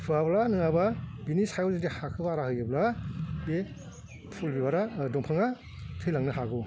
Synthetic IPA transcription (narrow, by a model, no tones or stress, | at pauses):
pʰɯablanɯŋababinishajɔzidihakʰɯbaɾahɯjɯblabe | pʰulbibaɾadɔŋpʰɯŋa | tʰɯjlaŋnɯɦaɡu